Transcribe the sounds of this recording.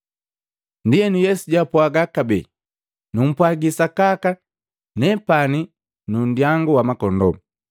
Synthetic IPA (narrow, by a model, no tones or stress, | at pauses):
ndijɛnujɛsuɟapwaɡakabɛ̰ | num̩pwaɡisakaka | nɛpani | nun̩djaŋɡuwamakɔndɔ̰m